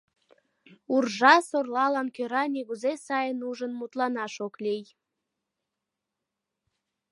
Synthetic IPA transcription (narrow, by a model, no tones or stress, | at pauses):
urʒɑsorlɑlɑnkøɾɑniɣuzesɑjənuʒənmut̪lɑnɑʃoklij